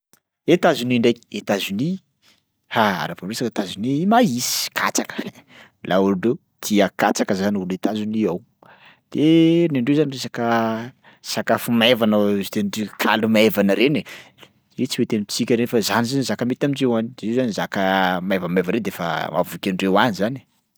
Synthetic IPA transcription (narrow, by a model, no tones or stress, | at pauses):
et̪azuniɳɖ͡ʐajki̥et̪azuni | haa̰ɾaporesaket̪azinimaisi̥kʰa̰t͡sakə̥ | lauɾuɖ͡ʐew | t̪iəkat͡sakəzanulet̪azuniaw | d̪̥enaɳɖ͡ʐewzaniresakə | sakafumajvanaizt̪enɖ͡ʐikʰa̰lumaevanəɾene | et͡siwet̪enit͡sikʲəɾenifazanizanizakəmet̪amiɳɖ͡ʐewanidezezanizakəmajvamajvaɾed̪efa̰mʔa̰vukʲinɖ͡ʐewanizani̥